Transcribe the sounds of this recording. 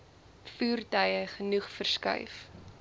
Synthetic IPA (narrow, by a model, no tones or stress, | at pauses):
fuːrtɐjəχənuχfərskɐ̰jf